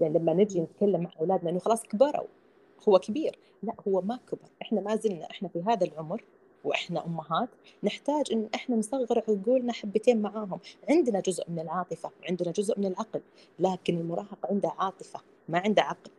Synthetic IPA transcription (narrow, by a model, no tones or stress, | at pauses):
jaʕnilamːanɪd͡ʒinɪt̪kalːamːaʕʔawlaːd̪naʔɪnːʊxɑlɑːsˤkabɑɾˤa̰w | hʊwːakabiːɾ | laʔhʊwːamakabɑ̰ɾˤʔɪħnamazɪlna̰ʔɪħnafiɦaːðalʕʊmɾ | wʔɪħnaʔʊmːaɦaːt̪nɪħt̪aːd͡ʒʔɪnːʔɪħnansˤɑɣːɾɪʕwɪɡuːlnaħabːɪt̪eːnmaʕaːɦʊmʕɪnd̪nad͡ʒʊzʔmɪnɪlʕɑːt̪ˤɨfawʕɪnd̪nad͡ʒʊzʔmɪnɪlʕɑql | laːkɪnɪlmʊɾˤʔɑːɦɑqʕɪnd̪aʕɑːt̪ˤɨfa | maʕɪnd̪aʕɑql